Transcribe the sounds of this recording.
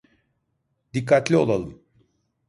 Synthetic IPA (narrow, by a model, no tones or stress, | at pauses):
d̪ikʰːat̪lʲio̞lˠalˠɯm